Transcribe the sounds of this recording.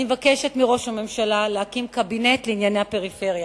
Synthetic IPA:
evakeʃe̞tmiʁo̞ʃame̞mʃalalehakimkabine̞tleinjanehape̞ʁife̞ʁja

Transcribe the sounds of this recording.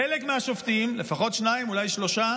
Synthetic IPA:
elekmeaʃoft̪iimle̞faχo̞tʃnaimulajʃlo̞ʃa

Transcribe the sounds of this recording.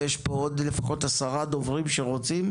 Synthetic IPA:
jeʃpood̪le̞faχo̞t̪asaʁad̪o̞vʁimʃeʁo̞t͡sim

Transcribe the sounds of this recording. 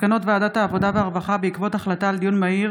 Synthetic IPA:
kano̞tvaːd̪athaːvo̞daveaʁvaχabeikvo̞taχlataːld̪ijunmaiʁ

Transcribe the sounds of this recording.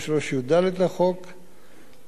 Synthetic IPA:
ʃloʃjud̪alet̪laχok

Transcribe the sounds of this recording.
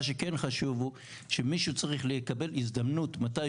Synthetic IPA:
ʃ̬eke̞nχaʃuvu | ʃemiʃut͡saʁiχlekabe̞lizd̪amnutmataj

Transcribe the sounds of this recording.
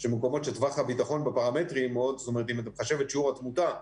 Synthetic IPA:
ʃemeko̞mo̞tʃet̪vaχabitaχo̞nbepaʁametʁimeod̪zot̪omeʁet̪imat̪emχaʃevetʃiuʁat̪muta

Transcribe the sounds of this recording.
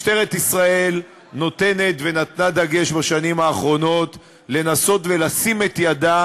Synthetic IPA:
te̞ʁet̪isʁae̞l | no̞t̪e̞ne̞t̪ve̞nat̪nad̪aɡe̞ʃbaʃanimhaːχʁo̞no̞t | le̞naso̞t̪ve̞lasime̞t̪jad̪a

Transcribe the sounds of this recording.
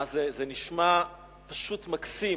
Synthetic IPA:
zezeniʃma | paʃutmaksi

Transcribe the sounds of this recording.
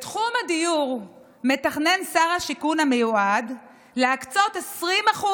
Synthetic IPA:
t̪χumhad̪ijuʁ | me̞taχne̞nsaʁhaʃikunamejuʔad | leakt͡so̞t̪e̞sʁimaχu

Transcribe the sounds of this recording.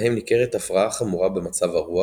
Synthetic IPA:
hemnikeʁet̪afʁaaχamuʁabe̞mat͡savaʁua

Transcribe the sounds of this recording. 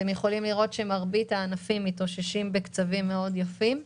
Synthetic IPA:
emjeχo̞limliʁo̞t̪ʃemaʁbitaːnafimːito̞ʃeʃimbe̞kt͡savimːeo̞djafim

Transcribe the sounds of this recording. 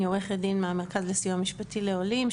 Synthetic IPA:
joʁeχledinmeameʁkazlesijuamiʃpatileolim

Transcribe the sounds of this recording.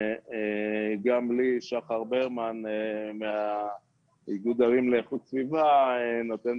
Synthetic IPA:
eɡambliʃaχaʁbeʁmanemea | iɡud̪aʁimleχutsvivaenot̪en

